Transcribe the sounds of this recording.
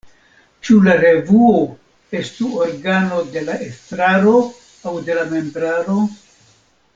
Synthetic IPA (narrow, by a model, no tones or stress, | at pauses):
t͡ʃulaɾe̞vuo | e̞stuoɾɡano̞de̞laʔe̞stɾaɾo̞ | awde̞lame̞mbɾaɾo̞